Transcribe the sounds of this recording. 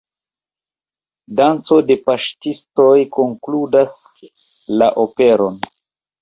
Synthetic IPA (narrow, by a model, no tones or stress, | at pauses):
dant͡so̞de̞paʃtisto̞jko̞ŋkludas | laʔope̞ɾo̞n